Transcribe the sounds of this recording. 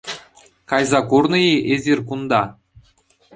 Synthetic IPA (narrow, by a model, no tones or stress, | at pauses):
kɑjzɑkurnɤ̆jiʔezʲirʲkund̪ɑ